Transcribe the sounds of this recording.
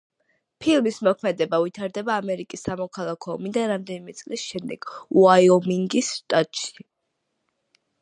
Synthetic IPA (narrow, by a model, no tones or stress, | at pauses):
pʰilˠmismɔkʰmɛd̪ɛbavit̪ʰaɾd̪ɛbaːmɛɾikʼisːamɔkʰalˠakʰɔɔmid̪aɾamd̪ɛnimɛt̪sʼlisʃɛmd̪ɛ̰ɡ̥uaiɔmiŋɡisːt̪ʼat̪ʼʃi̥